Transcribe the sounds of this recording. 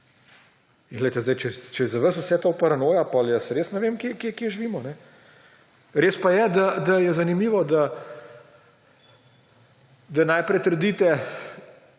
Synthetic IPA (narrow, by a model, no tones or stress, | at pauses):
ŋɡlɛjt̪ɛzd̪ɐjt͡ʃɛt͡ʃɛzɐʋəsʊsɛt̪oːpɐɾɐnoːjapɔljəsɾeːsnɛʋeːmkjekekeːʒiʋiːmɔnɛ | ɾeːspajɛd̪ad̪ɐjɛzɐnimiːʋɔd̪a | d̪ɐnajpɾɛt̪əɾd̪iːt̪ɛ